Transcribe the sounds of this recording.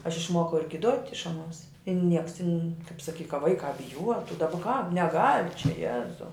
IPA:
ɐʃ ɪʃˈmuɔkɐʊ ɪr ɡʲɪˈduɔtʲ ɪʃ ɐˈnuɔs ɪ ˈnʲiɛks tʲɪnʲ kɐp sɐˈkʲiː kɐ ˈʋɐɪkɑː bʲɪˈjuɔtʊ dɐˈbɐ kɑː nʲɛˈɡɐlʲ t͡ʃʲɛ ˈjæːzɐʊ

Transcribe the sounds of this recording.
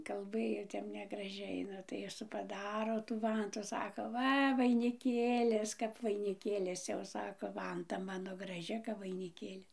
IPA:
kɐlˠˈbɘjoː ˈtʲɛp nʲɛɡrɐˈʒʲɛɪ ˈnʊ tɐɪ ˈjɪs pɐˈdɑːroː tuː ˈʋɐntuː ˈsɑːkoː ˈʋɐ ʋɐɪnʲɪˈkʲeːlʲɪs kɐp ʋɐɪnʲɪˈkʲeːlʲɪs jɛʊ ˈsɑːkoː ˈʋɐntɐ ˈmɑːnoː ɡrɐˈʒʲɪ kɐp ʋɐɪnʲɪˈkʲeːlʲɪ

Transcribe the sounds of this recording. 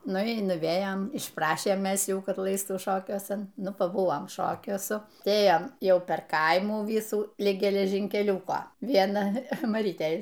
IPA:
ˈnʊ iː nʊˈʋʲeːjɛm ɪʃˈprɑːʃʲeːm ˈmʲɛs ˈjuː ˈkɐt ˈlˠɐɪstuː ˈʃoːkʲuɔsɐn ˈnʊ pɐˈbʊʋoːm ˈʃoːkʲuɔsʊ ˈtɐɪ ˈeːjɛm ˈjɛʊ pʲɛr ˈkɐɪmuː ˈʋʲiːsuː ˈlʲɪk ɡʲɛlʲɛʒʲiːŋʲkʲɛˈlʲuːkoː ˈʋʲiɛnɐ mɐˈrʲiːtʲɛɪ

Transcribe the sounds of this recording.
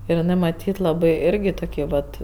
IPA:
ɪr ɪˈnɜ mɐˈtʲiːt lˠɐˈbɐɪ ˈɪrʲɡʲɪ toːˈkʲiː ˈʋɐt

